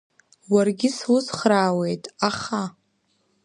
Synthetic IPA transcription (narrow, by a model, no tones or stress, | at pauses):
warɡʲɪswʊzχraːwe̞jtʼaχa